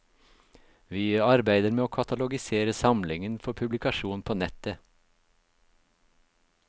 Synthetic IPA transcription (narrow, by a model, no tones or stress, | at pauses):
ʋiːɑɾbæɪd̪əɾmeːoːkʰɑt̪ɑlʊɡɪseːɾəsɑmlɪŋənfɔɾpʰʉblɪkʰɑʃuːnpʰoːnɛt̪ə